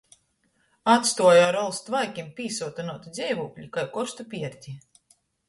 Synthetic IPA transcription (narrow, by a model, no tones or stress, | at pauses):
at̪st̪uɔjaɾɔlˠst̪vajkʲimpʲiːsuɔt̪anuɔt̪id̪zʲɛjvuːkʎʲikajkɔɾst̪upʲiɛɾt̪ʲi